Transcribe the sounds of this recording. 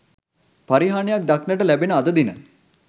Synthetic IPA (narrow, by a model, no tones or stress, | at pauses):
paɾiɦaːnejak̚d̪aknəʈəlæbenəad̪əd̪inə̰